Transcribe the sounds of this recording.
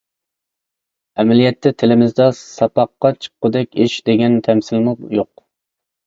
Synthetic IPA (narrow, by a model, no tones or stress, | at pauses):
ɛmɛlijɛt̪ʰːɛt̪ʰɪlɪmɪzd̪ɑsɑpɑqːɑt͡ʃʰə̥qʰːʊd̪ɛkʲɪʃd̪eɡʲɛnt̪ʰɛmsɪlmʊjoq